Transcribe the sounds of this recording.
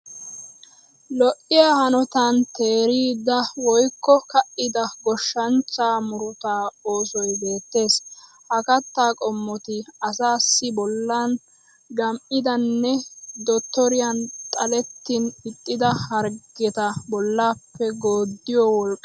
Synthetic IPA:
lɔʔɪjahɐnɔt̪ɐnt̪e̞ːɾiːd̪ɐwɔjkːɔkɐʔɪd̪ɐɡɔʃːɐnt͡ʃːaːmʊɾʊt̪aːo̞ːsɔjbe̞ːt̪ːe̞ːs | hɐkɐt̪ːaːkʼɔmːɔt̪ɪɐsaːsːɪbɔlːan | ɡɐmʔɪd̪ɐnːɛd̪ɔt̪ːɔɾɪjɐnt̪ʼɐlɛt̪ːɪnɪt̪ʼːɪd̪ɐhɐɾɡ̥ɛt̪ɐbɔlːaːpːɛɡoːd̪ːɪjɔwɔlkʼː

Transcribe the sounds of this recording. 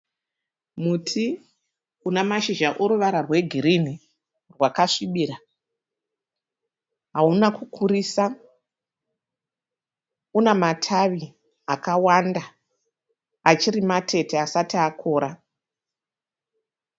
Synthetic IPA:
mutʰi | unamaʃiʒaʔoɾuʋaɾarwe̞ɡʱiɾini | rwakaʂiɓiɾa | ɦaunakukʰuɾiːsa | unematʰaʋi | akawanda | at͡ʃiɾimatʰe̞tʰeasatiakʰo̞ːɾa

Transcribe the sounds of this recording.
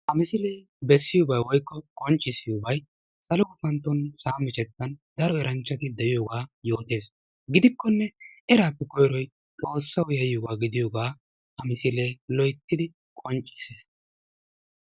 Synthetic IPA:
hɐmɪsɪleː | bɛsːɪjɔbɐjwɔjkːɔkʼɔnt͡ʃʼːɪsːɪjʊbɐj | sɐlɔɡʊfɐnt̪ːɔnsaːmɪt͡ʃʼɛt̪ːɐnd̪ɐɾɔɛɾɐnt͡ʃːɐt̪ɪd̪ɛʔɪjoːɡaːjo̞ːt̪e̞ːs | ɡɪd̪ɪkːɔnːɛɛɾaːpːɛkɔjɾɔj | t̪ʼo̞ːsːɐwjɐjjoɡaːɡɪd̪ɪjoːɡaː | hɐmɪsɪleːlɔjt̪ːɪd̪ɪ | kʼɔnt͡ʃʼːɪ̥seːs

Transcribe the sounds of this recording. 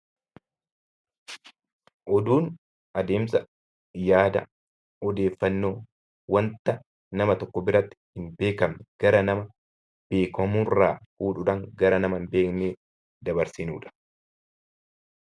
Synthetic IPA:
ʔɔd̪uːn | ʔɐd̪e̞ːmsɐ | jaːd̪ɐ̰ | ɔd̪e̞ːfːɐnːoː | wɐnt̪ɐ | nɐmɐt̪ɔkːɔbɪɾɐt̪ːɪ̥hɪnbe̞ːkɐmɛɡ̥ɐɾɐnɐmɐ | b̥e̞ːkɐmurːaːhuːᶑʊᶑɐŋɡɐɾɐnɐmɐmbe̞ːkneː | d̪ɐbɐɾsɪnṵːᶑɐ̥

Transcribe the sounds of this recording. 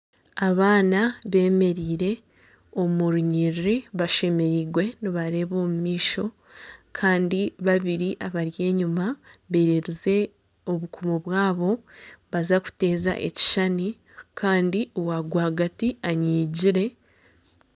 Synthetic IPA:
aβaːnaβe̞ːme̞ɾiːɾe̞ | o̞muɾuɲiɾiβaʃe̞me̞ɾiːɡwe̞niβaɾe̞ːβo̞ːmumiːʃo̞ | kʰaːndiβaβiɾiʔaβaɾje̞ːɲumaβe̞ːɾeɾize̞ | oβukumoβwaːβo̞βazaku̥te̞ːza̰ʔe̞̰ci̥ʃani | kʰaːndiowaɡwaɡatiaɲiːɟiɾe̞

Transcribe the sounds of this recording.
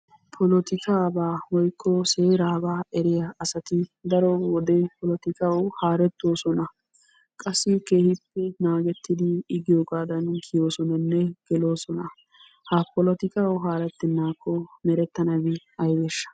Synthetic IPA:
pʰɔlɔt̪ɪkaːbaːwɔjkʰːɔseːɾaːbaːɛɾɪjɐɐsɐt̪ɪd̪ɐɾɔwɔd̪ɛpʰɔlɔt̪ɪkʼɐwhaːɾɛt̪ːo̞ːsɔnɐ | kʼɐsːɪke̞ːhɪpːɛnaːɡɛt̪ːɪd̪ɪːɡɪjoːɡaːd̪ɐnkʰɪjoːsɔnɐnːɛɡ̥ɛlo̞ːsɔnɐ | hɐpɔlɔt̪ɪkʼɐwɦaːɾɛt̪ːɪnːaːkːɔmɛɾɛt̪ːɐnɐbɪ | ɐjbɛʃːɐ̥

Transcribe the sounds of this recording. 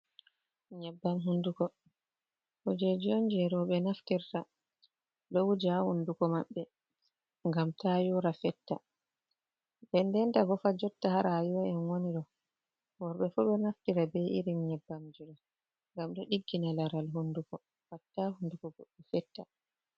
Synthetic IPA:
ɲɛbːamɦundukɔ | hud͡ʒed͡ʒɔnd͡ʒɛɾɔɓɛnaftiɾta | ɗɔwd͡ʒahundukɔmaɓːɛ | ŋɡamtajuɾafɛtːa̰ | bɛndɛntaɡɔfad͡ʒɔtːahaɾajuwaɛnwoniɗɔ | wɔɾɓɛfuɓɛnaftiɾabɛʔiɾimɲɛbːamd͡ʒuɾɔ | ŋɡamɗɔɗiɡːinalaɾalɦundukɔ | watːahundukɔɡɔɗːɛfɛtːa

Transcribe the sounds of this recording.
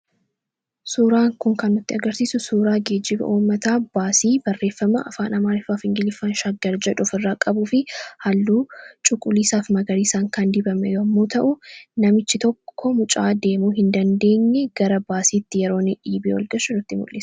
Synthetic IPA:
suːɾaːŋkʊŋkɐnːʊt̪ːɪɐɡɐɾsiːsʊsuːɾaːɡe̞ːd͡ʒːɪbɐ̰ʔuːmːɐt̪aːb̥aːsiːbɐrːe̞ːfːɐmɐʔɐ̰faːnɐmaːɾɪfaːfɪŋɡɪlɪfːɐnʃɐɡːɐɾd͡ʒɛᶑʊfɪrːaːkʼɐbuːfɪhɐlːuːt͡ʃʼʊkʼːʊliːsaːfmɐɡɐɾiːsaːŋkɐnd̪ɪbɐmɛjomːoːt̪ɐʔʊnɐmɪt͡ʃːɪt̪ɔkːɔmʊt͡ʃʼa̰ːd̪e̞ːmuːɦɪnd̪ɐnd̪e̞ːɲːɛɡ̥ɐɾɐbaːsiːt̪ːɪjɛɾoːnɪᶑiːbiːwɔ̰lɡɐʃʊnʊt̪ːɪmʊ̰lːeːs

